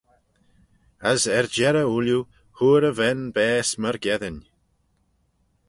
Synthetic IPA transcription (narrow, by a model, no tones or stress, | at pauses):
əzɛɹd͡ʒɛɾəulju | huːɾəvɛnbɛːsməɹɡɛðən